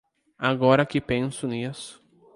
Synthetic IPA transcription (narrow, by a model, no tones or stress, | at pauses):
aɡɔɾɐkɪpẽsʊnisʊ̥